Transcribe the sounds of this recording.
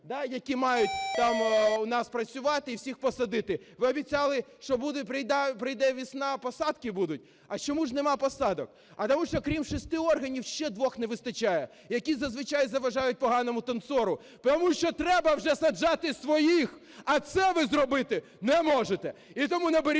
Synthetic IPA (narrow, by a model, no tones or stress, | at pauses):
d̪ɑjɐkʲimɑjʊtʲt̪ɑmunɑspɾɐt͡sʲʊʋɑt̪ɪiwsʲixpɔsɐd̪ɪt̪ɪ | ʋɪɔbʲit͡sʲɑlˠɪʃt͡ʃɔbud̪ʊpɾɪjd̪ɛpɾɪjd̪ɛʋʲisnɑpɔsɑd̪kɪbud̪ʊt̚ʲ | ɐt͡ʃɔmuʒnemɑpɔsɑd̪ɔk | ɐt̪ɔmuʃt͡ʃɔkɾʲimʃɔst̪ɪɔrɦɐnʲiwʃt͡ʃɛd̪ʋɔxnɛʋɪst̪ɐt͡ʃajɛ | jɐkʲizɐzʋɪt͡ʃajzɐʋɐʒɑjʊt̚ʲpɔɦɑnɔmʊt̪ɐnt̪sɔɾʊ | pt̪ɔmuʃt͡ʃɔt̪ɾɛbɐwʒɛsɐd͡ʒɑt̪ɪsʋɔjix | ɐt̪sɛʋɪzrɔbɪt̪ɪ | nɛmɔʒet̪ɛit̪ɔmunɐbeɾʲ